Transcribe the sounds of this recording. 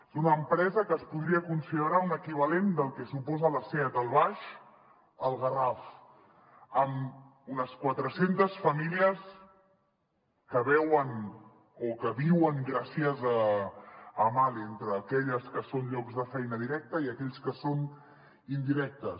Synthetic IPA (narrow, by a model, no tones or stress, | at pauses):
zunəːmpɾɛzəkəːspuðɾiəkunsiðəɾaunəkiβ̞əlend̪əlˠkɛsupɔzələsɛt̪əlˠβaʃ | əlˠɣəraf | əm | unəskwat̪ɾəsent̪əsfəmiliəs | kəβɛwən | okəβiwəŋɡɾasiəzəː | malent̪ɾəːkɛʎəskəsonʎɔkzðəfɛjnəðiɾɛk̚t̪əiəkɛʎskəson | ind̪iɾɛk̚t̪ə